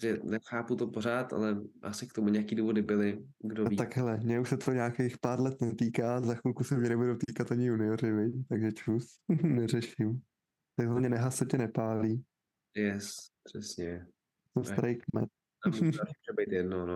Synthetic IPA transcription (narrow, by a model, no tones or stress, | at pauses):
ʒɛnɛxaːput̪opoɾaːt̪a̰lɛʔa̰sɪk̚t̪omuɲɛakiːduːvodɪbɪlɪ | ɡdoviaɡɦɛlɛmɲɛuʃsɛt̪oɲaːkejxpaːɾlɛt̪nɛt̪iːkaːzaxulkusɛmɲɛnɛbuduwt̪iːkat̪aɲɪunɪoɾɪvɛjt̪aɡʒɛt͡ʃusnɛrɛʃɪm | t̪ɛɦamɲɛnɛɦasocɛnɛpaːliː | jɛspr̥ɛsɲɛ | t̪osaɾejkmɛ̰t̪ | mamuʒɛbɛjt̪jɛdnono